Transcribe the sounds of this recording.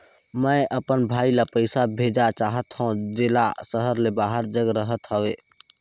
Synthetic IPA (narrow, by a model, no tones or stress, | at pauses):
mə̃ʔəpənbʱaːilapəɪsabʱeːd͡ʒat͡ʃaːɦət̪ɦõd͡ʒeːlasəɦəɾlebaːɦəɾd͡ʒəɡɾəɦət̪ɦəʋeː